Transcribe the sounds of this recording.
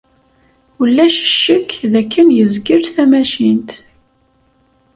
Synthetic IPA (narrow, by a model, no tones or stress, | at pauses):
ulːæʃə̥ʃːəkːðækːənjəzɡəɾθæmæʃint̪